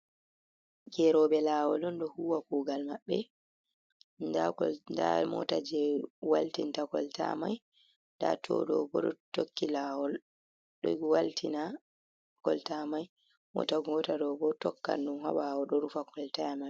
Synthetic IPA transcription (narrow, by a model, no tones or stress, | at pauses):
ɡɛɾɔɓɛlawɔlɔndɔhuwakuːɡalmaɓːɛ | ndaɔnda̰mɔ̰tad͡ʒɛwaltintakɔlta̰maj | nda̰tʰɔ̰ɗɔbɔɗɔtokːilaːwɔl | ɗɔwaltʰina | kɔltamaj | mɔ̰taɡɔtaɾɔbɔtɔkːa̰ndumha̰ɓawɔɗɔɾufakɔltajama